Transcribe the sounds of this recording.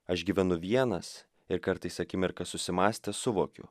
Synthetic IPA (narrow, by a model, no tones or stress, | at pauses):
ɐʃɡʲiːʋʲɛnʊʋʲiɛnɐs | ɪɾkɐɾt̪ɐɪsɐkʲɪmʲɪɾkɐssʊsʲɪmɑːsʲt̪ʲɛsʊʋoːkʲʊ̰